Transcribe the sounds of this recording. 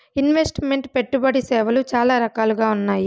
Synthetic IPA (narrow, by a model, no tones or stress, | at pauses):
inʋe̞sʈme̞ɳʈpe̞ʈːubɐɽisɛːʋɐlut͡ʃaːlaːɾɐkaːluɡaːunːaːji